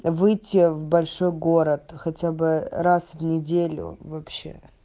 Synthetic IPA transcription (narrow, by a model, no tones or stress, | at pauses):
vɨjtʲːɪvbɐlʲʂojɡo̞ɾət̪xɐtʲabɨɾasvnʲɪdʲelʲʊ̰vɐpɕḛ